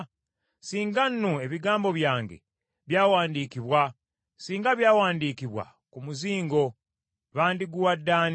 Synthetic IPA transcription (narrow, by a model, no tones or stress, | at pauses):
siːŋɡanːue̞βiɡaːmbo̞βjaːŋɡḛ | βjaːwaːndiːkiβwa | siːŋɡaβjaːwaːndikiβwa̰ | kumuziːŋɡo̞ | βaːndiɡuwadːaːn